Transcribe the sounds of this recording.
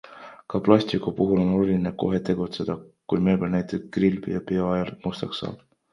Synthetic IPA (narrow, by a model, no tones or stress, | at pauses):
kɑplɑsʲt̪ikːupuɦulo̞no̞lulʲineko̞ɦe̞t̪e̞ɡ̥ut̪se̞d̪̥ɑkujmelbelnæjt̪ˑekrilbijɑpeoɑjɑlmust̪ɑksɑ̰ːb̥